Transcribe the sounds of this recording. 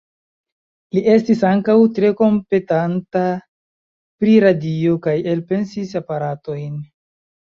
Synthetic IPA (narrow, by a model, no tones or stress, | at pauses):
liʔe̞stisaŋkawtɾe̞ko̞mpe̞tanta | pɾiɾadio̞kaje̞lpe̞nsisapaɾato̞jn